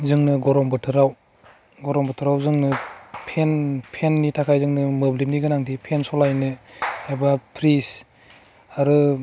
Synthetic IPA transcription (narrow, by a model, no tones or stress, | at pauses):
zɯŋnɯɡɔɾɔmbɯtʰɯɾaw | ɡɔɾɔmbɯtʰɯɾawzɯŋnɯpʰenpʰenːitʰakʰajzɯŋnɯmɯblimniɡɯnaŋtʰipʰensɔlajnɯebapʰɾis | aɾɯ